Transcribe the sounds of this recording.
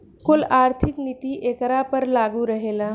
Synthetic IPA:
kolaɾt̪ʰiknit̪iʔekɾapəɾlaɡuɾəɦela

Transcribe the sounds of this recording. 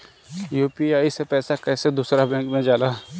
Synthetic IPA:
juːpiaːisepɛːsakɛːsed̪uːsɾabɛ̃ːŋkmẽd͡ʒaːlaː

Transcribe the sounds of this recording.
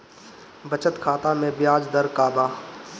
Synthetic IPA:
bɐt͡ʃət̪kʰaːt̪amẽbɪjaːd͡ʒd̪ɐɾkaːbaː

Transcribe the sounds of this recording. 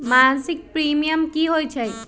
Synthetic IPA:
mansik̚pɾimijəmkiɦojt͡ʃʰɛ

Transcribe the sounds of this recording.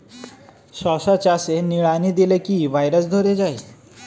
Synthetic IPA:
sɔsat͡ʃaseniɭanid̪ilekibʱajɾas̬d̪ʱoɾed͡ʒaej

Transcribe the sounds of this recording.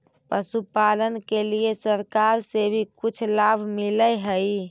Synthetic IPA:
pəsupalənkelijesəɾkaɾsebʱikut͡ʃʰlabʱmiləɦəj

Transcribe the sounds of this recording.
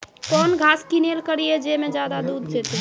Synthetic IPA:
kɔnɡʱaskinelkəɾijed͡ʒemed͡ʒad̪ad̪ud̪d͡ʒet̪i

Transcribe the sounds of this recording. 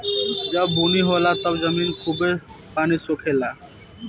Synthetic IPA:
d͡ʑabʱuniɦɔlat̪ɔbzaminkʰube | panisokʰela

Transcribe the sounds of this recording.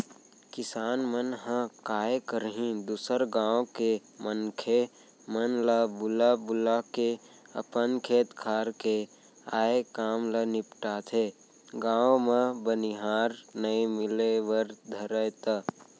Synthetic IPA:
kɪsaːnmənɦə̃kaːjekəɾɦĩd̪uːsəɾɡãːõkemənkʰe | mənləbʊlabʊlakeə̰pənkʰeːt̪kʰaːɾke | aːekaːmlənɪpʈaːt̪ʰe | ɡãːõmẽbəniɦaːɾnəimɪleʋəɾd̪ʱəɾəjt̪ə

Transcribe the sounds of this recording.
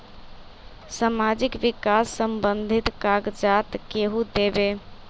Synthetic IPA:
samad͡ʒikʋikasːəmbənd̪ʱit̪kaɡd͡ʒat̪keɦud̪ebe

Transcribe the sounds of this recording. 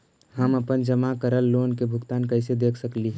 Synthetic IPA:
həməpənd͡ʒəmakəɾəlːoːnkebʱʊɡt̪aːnkəɪsed̪eːkʰsəkli

